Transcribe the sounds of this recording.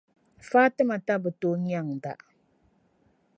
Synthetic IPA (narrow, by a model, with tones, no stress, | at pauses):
faː˦tɨ˦ma˨ta˦bɨ˨to˦˨ɲ˦a˦˨ŋ˨da̰˨ʔ